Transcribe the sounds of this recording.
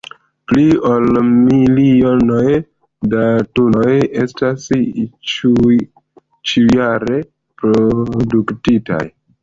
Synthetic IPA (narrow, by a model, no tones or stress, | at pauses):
pliolmilionoj | datuno̞je̞stast͡ʃ | t͡ʃijaɾe̞ | pɾoduktita̰j